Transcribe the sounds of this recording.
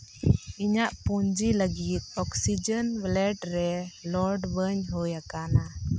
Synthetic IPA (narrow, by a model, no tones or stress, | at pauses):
iɲaʔpuɲd͡ʒiləɡit̪̚ɔksid͡ʒənblɛʈɾɛlɔɾɖbəɲɦɔjakana